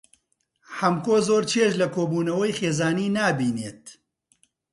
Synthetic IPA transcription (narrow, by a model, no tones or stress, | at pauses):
hɐmkoːzoːɾt͡ʃʰeʃlɐkʰoːbuːnɐwɐjxeːzaːniːnaːbiːneːt̪̚